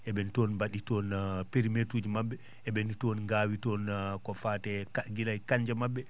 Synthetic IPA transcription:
ʔɛbɛntɔnbaɗitɔnpɛɾimetuːd͡ʒimabːɛ | ɛbɛntɔnɡaːwitɔnkɔfaːtɛkaɡilajkaɲd͡ʒamabːɛ

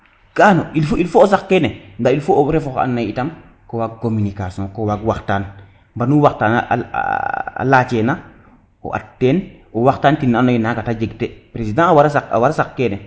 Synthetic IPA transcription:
kanoilfoilfoːsakːenɛndailfooɾefoka̰nːajitam | kowak̚kominikasiɔ̃kowaɡwaxtaːn | mbanuwaktaːna̰ | a̰lat͡ʃena | ɔ̰ʔa̰tːeːnɔwaxtaːntinːanojinakatad͡ʒeɡtepɾesidãwaɾsaa̰waɾsakːenɛ

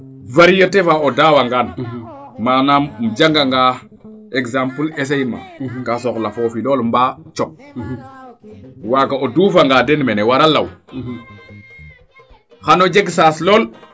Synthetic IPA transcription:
vaɾijotefaodaːwaŋɡan | maːnammd͡ʒaŋɡaŋɡa | eɡzampules̬ejma̰kasoklafofiloːlmbat͡ʃop̚ | wakaoduːfaŋɡadenmenewaɾalːaw | xanod͡ʒeɡsaslol

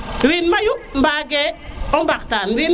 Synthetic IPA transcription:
winmajum̩baɡɛɔmbaktan̩win

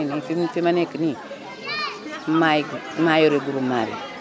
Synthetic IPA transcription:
enifimfimanekini | maɡ | majoɾeɡuɾuma̰ɾḭ

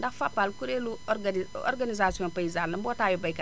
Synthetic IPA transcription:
ndakfapːalkuɾelu | ɔ̰ɾɡanizasiɔ̃mpajizalːɐmbɔtajobajka

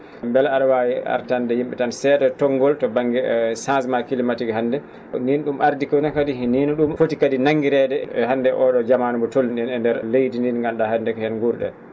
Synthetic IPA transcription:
mbɛlaɗawajia̰ɾtandɛjimɓɛ̰tansɛːtɛtɔŋɡɔltɔbaŋːɡɛsãnsmakilimatiɡɛɦandɛ | ninɗumʔaɾdikɔnakadiɦininɔɗumfotikadinaŋːɡiɾɛdɛɛɦandɛʔɔɗɔd͡ʒamanumbɔtolːinɛnɛndɛɾlejdininŋɡamɗahandɛkɔhɛnɡuɾɗɛ̰

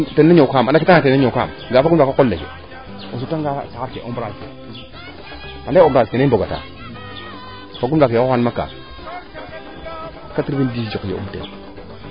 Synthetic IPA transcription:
tenːeɲokamndakitatenːɲoka̰m | ɡafaɡudakakolːekḛ | osutaŋɡasaaɾkḛʔombɾaske | adaombɾaskeneboɡata̰ | faɡumdakeowanmaka̰ | katiɾbindid͡ʒokjḛṵmtḛn

